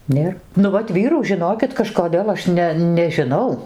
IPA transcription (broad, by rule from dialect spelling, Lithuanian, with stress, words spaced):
ˈnʲeːr ˈnʊ ʋɐt ˈʋʲiːruː ʒʲɪˈnoːkʲɪt kɐʃkoːˈdʲeːlˠ ɐʃ ˈnʲɛ nʲɛʒʲɪˈnɐʊ